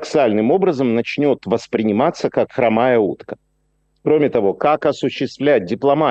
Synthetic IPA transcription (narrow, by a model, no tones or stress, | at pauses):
ksɨalʲnɨmo̞bɾəzəmnɐt͡ɕnʲo̞t̪vəspɾʲɪnʲɪmat̪sːəkakxɾɐmajəṵt̪kə | kɾo̞mʲɪt̪ɐvo̞kakɐsʊɕːɪst̪vlʲæt̚ʲdʲɪplˠɐma